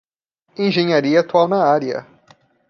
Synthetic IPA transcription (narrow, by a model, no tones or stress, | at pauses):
ẽʒẽɲaɾiɐat̪uawnɐaɾiɐ̰